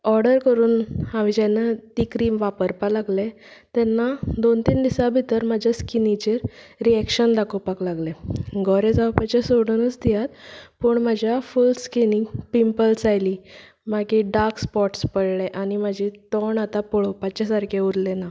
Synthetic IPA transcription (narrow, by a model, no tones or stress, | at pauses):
ɔɾɖəɾkəɾuːnhaʋid͡ʑanat̪ikɾiʋapəɾpalaɡle | t̪ɛnːad̪ont̪iːnd̪isabʱit̪əɾmad͡ʑʱaskinit͡ɕeɾɾiɛkɕənd̪akopaklaɡleɡɔɾed͡zapat͡ɕesoɽunət͡sd̪ijat̪pəɳməd͡ʑʱjafulskinipimpəlsajliː | makiɖaɾkspɔʈspəɽɭeʔanimad͡ʑʱit̪ɔɳat̪apoɭopat͡ɕasaɾkʰeuɾlena